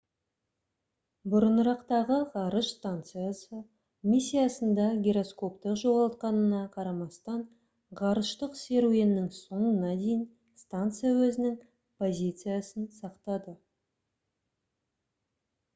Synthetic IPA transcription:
bʊɾənəɾɑqt̪ɑʁəʁɑɾəʃst̪ant̪sɨjasə | mʲisʲːijasənd̪ɑɡʲeɾo̞sko̞pt̪əqʒo̞ʁɑlˠt̪̚qɑnənɑqʰɑɾɑmɑst̪ɑɴ | ʁɑɾəʃt̪əqse̞ɾue̞nːɪŋso̞ɴənɑd̪e̞jɪn | st̪ant̪sɨjawɵzɪnɪŋ | pʰo̞zʲijt̪sɨjasənsɑqt̪ɑd̪ə

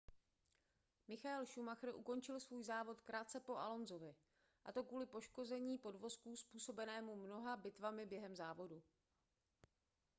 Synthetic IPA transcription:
mɪxaɛlʃumaxr̩ʔṵko̞nt͡ʃɪlsvuːjzaːvo̞t̪kɾaːt̪t͡sɛpo̞ʔalo̞nzo̞vɪ | ʔat̪o̞kvuːlɪpo̞ʃko̞zɛɲiːpo̞dvo̞skuːspuːso̞bɛnɛːmumno̞ɦabɪt̪vamɪbjɛɦɛmzaːvo̞du

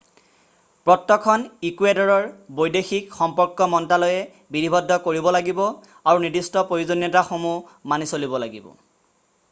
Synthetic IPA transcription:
pɹɔtːɔkʰɔnikuedɔɹɔɹbojdexikxɔmpɔɹkːɔmɔntalɔjɛ | bidibʱɔdʱːɔkoɹibɔlaɡibɔ | aɹunidistɔpɹojuzonijɔtaxomu | manisolibɔlaɡibɔ̰

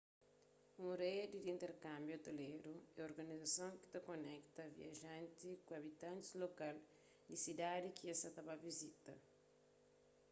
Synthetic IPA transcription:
ũɾed̪id̪ĩnt̪eɾkãmbjoɐt̪oleɾuɛoɾɡɐnizɐsõŋki̥t̪ɐkonɛkt̪ɐvḭɐʒãnt̪ikuɐβit̪ãnt̪i̥zlokal | disid̪ad̪ikiesɐt̪ɐbavizit̪ɐ

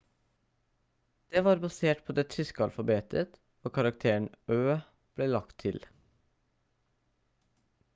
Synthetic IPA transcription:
d̪̥eːʋɑːɾbɑseːʈpʰoːd̪eːt̪ʰɾʏskɑlfɑbeːt̪ʰət̪ | oːkʰɑɾɑkt̪ʰeːɳ̩øː | b̥leːlɑkt̪ʰɪl

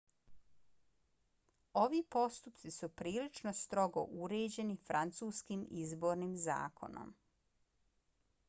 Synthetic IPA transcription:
o̞ʋiːpo̞st̪upt̪sisupɾiːlit͡ʃno̞st̪ɾo̞ɡo̞̰ʔuɾeːd͡ʑe̞nifɾant̪suːskimizbo̞ːɾnimza̰ːkʰo̞̰no̰m

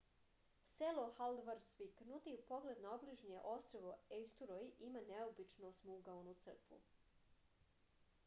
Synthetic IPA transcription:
seloxald̪ʋaɾsʋiknut̪iupo̞ɡled̪naobliʒɲeʔo̞st̪ɾoʋoest̪uɾojʔimaneobit͡ʃnosmuɡaonut̪sr̩kʋṵ

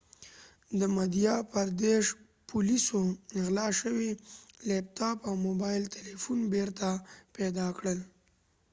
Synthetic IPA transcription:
d̪əmad̪ijɑpaɾd̪eʂ | pʰulisonɪɣlɑʃəwilep̚t̪ɑpawmobɑjlt̪elefunbeɾt̪apɛd̪ɑkɽəl

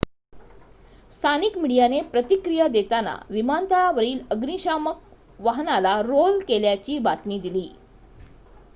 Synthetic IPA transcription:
st̪ʰanikmiɽijanepɾət̪ikɾijəd̪et̪ana̰ʋimant̪əɭaʋəɾiːləɡniɕamək̚ | ʋaɦnalaɾolkeljat͡ɕiːbat̪niːd̪iliː

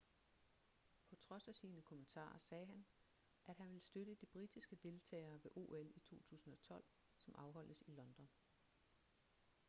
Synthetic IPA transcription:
pʰɒ̽t͡sʰʁɒ̽sæsiːnəkʰomənt͡sʰɑ̰̈ːɐsɛːɦæn | ʔæd̥ɦænʋe̝lsd̥øɾ̥əd̥ib̥ʁid̥isɡ̥əd̥e̝lt͡sʰɛ̰ːɪɐːʋe̝ʔo̝ːelit͡sʰo̝̰ːt͡sʰṵːsn̩ɒ̽t͡sʰɒ̽l̰ | sɒ̽mʔɑ̈ʊɦɒ̽l̰əsilɒ̽nd̥ɒ̽n

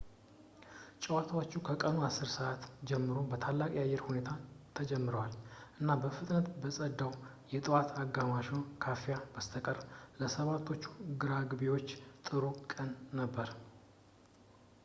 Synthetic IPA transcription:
t͡ʃʼɛwat̪ʰawot͡ʃːukʰəkʼənuasːɨɾsəʔat̪d͡ʒɛmːɨɾo̞bət̪ʰalːakʼjajːɛɾhune̞t̪ʰat̪ʰəd͡ʒɛmːɨɾəwalʔɨnːabəfɨt̪ʼnət̪bəsʼəd̪ːaw | jɛt̪ʼɨwat̪ʰaɡːamaʃonkʰafijabəst̪ʰəkʼəɾləsəβat̪ʰːo̞t͡ʃːu̥ɡɨɾaɡɨbewo̞t͡ʃːt̪ʼɨɾukʼənːəbːəɾ

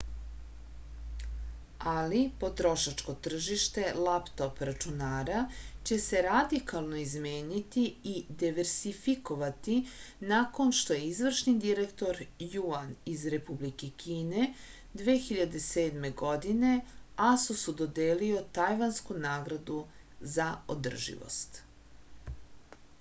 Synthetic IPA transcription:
alipo̞t̪ɾo̞ʃat͡ʃko̞t̪r̩ʒiʃt̪e̞lapt̪o̞pɾat͡ʃunaːɾat͡ɕe̞se̞ɾad̪ikalˠno̞izmeːɲit̪iːd̪iʋeɾsifiko̞ʋat̪inako̞nʃt̪o̞jeizʋr̩ʃnid̪iɾekt̪o̞ɾjuanizɾe̞publike̞kʰiːne̞ | d̪ʋeːxiʎad̪e̞se̞ːd̪me̞ɡo̞d̪ine̞asusud̪o̞d̪eːlio̞t̪ajʋanskunaːɡɾad̪u | zao̰d̪r̩ʒḭʋo̰st̪

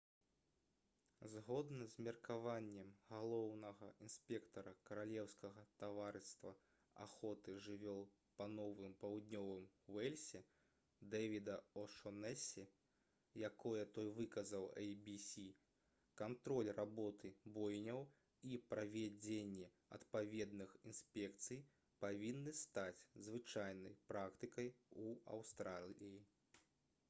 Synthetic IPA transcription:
zɣɔd̪nɐzʲmʲirkavanʲːɛmɣalˠɔwnɐɣɐinspʲɛkt̪ɐɾɐkɐɾalʲɛwskɐɣɐt̪avaɾɨst̪vɐ | a̰xɔt̪ɨʐɨvʲɔw̪ | pɐnɔvɨmpawd̪ʲnʲɔvɨmwɛlʲsʲɛ | d̪ɛvʲid̪ɐɔʂɔnɛsʲɛ | jakɔjɐt̪ɔjvɨkɐzɐwɛjbʲisʲi | kant̪ɾɔlʲrʔabɔt̪ʰɨbɔjnʲɐw | ipɾɐvʲad͡zʲenʲːɛ | ɐ̰t̪pavʲɛd̪nɨxinspʲɛkt̪sɨj | pavʲinːɨst̪at͡sʲzvɨt͡ʂajnɐjpɾakt̪ɨkɐjuɐ̰wst̪ɾalʲiji

